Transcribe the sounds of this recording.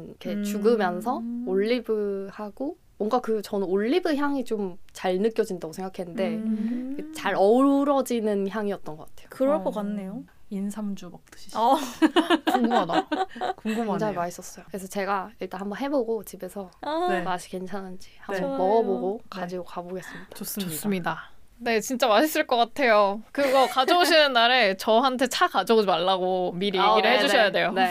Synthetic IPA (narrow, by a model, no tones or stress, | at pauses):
nikʰet͡ɕuɡɯmjʌns̬ʰʌoɭːibɯhaɡo | mwʌŋɡakɯt͡ɕʌnɯnoɭːibɯçjaŋit͡ɕomt͡ɕaɭnɯk͈jʌd͡ʑindaɡosʰeŋɡakʰenɯnde̞ikʰet͡ɕaɾʌɾʌd͡ʑinɯnçjaŋiʌt͈ʌnɡʌk͈atʰe̞̥jo̥kɯɾʌɭk͈ʌk͈anːe̞joinsʰamd͡ʑumʌk̚t͈ɯ̥ɕʰi | oŋɡuadakoŋɡuʌŋd͡ʑʰaŋimais͈ʌs͈ʌjokɯɾesʰʌt͡ɕe̞ɡaiɭt͈anhambʌnɦe̞boɡot͡ɕibe̞sʰʌmaɕʰi̥ke̞nt͡ɕʰanɦand͡ʑihammʌɡʌboɡokad͡ʑiɡokaboɡe̞s͈ɯmɲid̥aos͈s͈ɯmɲida | ne̞t͡ɕint͡ɕ͈amaɕʰis͈ɯɭk͈ʌk͈atʰe̞jokɯɡʌkad͡ʑʌuɕʰinɯnːaɾe̞t͡ɕʌɦantʰe̞t͡ɕʰakad͡ʑʌod͡ʑimaɭːaɡomiɾijeɡiɾɯɭɦed͡ʑuʌjade̞jone